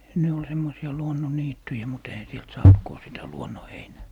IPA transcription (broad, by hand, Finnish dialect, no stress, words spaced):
ne ol semːosiɑ luonːoniːtːyjæ mut eihæ sielt sɑːnt ko sitæ luonːoheinæː